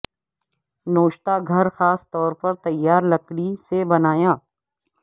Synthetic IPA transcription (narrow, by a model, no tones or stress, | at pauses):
noːʃt̪aɡʱɐɾxaːst̪ɔːɾpɐɾt̪ɐjːaːɾlɐkɽisebɐnaːjãː